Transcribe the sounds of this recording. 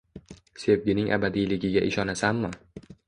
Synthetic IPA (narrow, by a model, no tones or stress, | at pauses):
se̞vɡʲɪnɪŋʔa̰bad̪ijlɪɡʲɪɡʲaʔɪʃɒnasamːɪ